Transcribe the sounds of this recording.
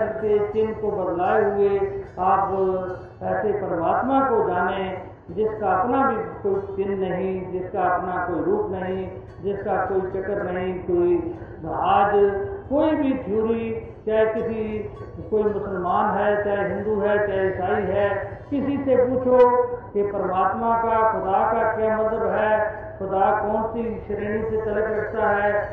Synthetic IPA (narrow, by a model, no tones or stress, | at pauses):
ɾk̪et͡ʃɪnkobəd̪laːeɦʊeaːp | ɛːsepəɾəmaːt̪mãkod͡ʒaːnẽ | d͡ʒɪskaɐpnabʱikoːit͡ʃɪnːɐɦĩd͡ʒɪskaɐpnakoːiɾuːpnɐɦĩ | d͡ʒɪskakoːit͡ʃɐkəɾnɐɦɦĩkoːi | aːd͡ʒkoːibʱid͡ʒuːɾi | t͡ʃaːekɪsi | koːimʊsəlmaːnɦɛːt͡ʃaːeɦɪ̃nd̪uɦɛːt͡ʃaːesaːiɦɛːkɪsisepuːt͡ʃʰokepəɾəmaːt̪mãkaxʊd̪aːkakjaːmət̪ləbɦɛː | xʰʊd̪akɔːnsiʃəɾiːniset̪ɐləkɾɐkʰt̪aɦɛː